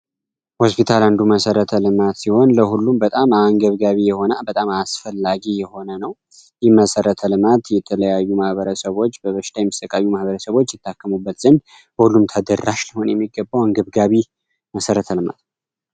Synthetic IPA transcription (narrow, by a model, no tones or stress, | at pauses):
hospʰit̪ʰaland̪uməsəɾət̪ʰəlɨmat̪siho̞nləhulːumbət̪ʼamaŋɡəβɡaβijɛho̞nabət̪ʼamasfəlːaɡijɛho̞nənəw | jɛməsəɾət̪ʰəlɨmat̪jɛt̪ʰələjajːumahβəɾəsəβo̞t͡ʃːbəβəʃɪt̪ʰajɛmist̪əkʼajːumahβəɾəsəβo̞t͡ʃːjɛt̪ʰːakːəmubːət̪z̥ənd̪ | bəhulːumt̪ʰəd̪ərːaʃləho̞njɛmːiɡəbːawɨŋɡəβɡaβi | məsəɾət̪ʰəlɨma̰t̪